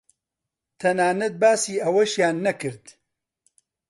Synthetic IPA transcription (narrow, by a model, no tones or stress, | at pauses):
t̪ʰɐnaːnɐt̪̚baːsiːɐwɐʃjaːnːɐkɨɾd̪̥